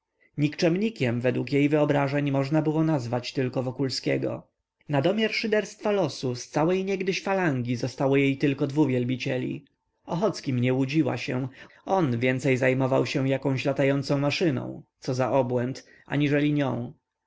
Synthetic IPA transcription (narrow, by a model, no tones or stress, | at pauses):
ɲikt͡ʂɛmɲikʲɛmvɛd̪wukjejvɘɔbɾaʐɛɲmɔʐnabɘwɔnazvat͡ɕt̪ɘlkɔvɔkulskʲɛɡɔ̰ | nad̪ɔmʲjaɾʂɨd̪ɛɾst̪falɔsust̪sawɛjɲɛɡd̪ɘɕfalaŋɡʲizɔst̪awɔjejt̪ɘlkɔd̪vuvʲjɛlbʲit͡ɕɛlʲḭ | ɔxɔt̪skʲimɲɛwud͡ʑiwa̰ɕɛ̃ | ɔnvʲjɛnt̪sɛjzajmɔvawɕɛwjakɔ̃w̃ɕlat̪ajɔnt̪sɔ̃w̃maʂɘnɔ̰̃w̃t̪sɔzaʔɔbwɛnt̪ | a̰ɲiʐɛlʲiɲɔ̃w̃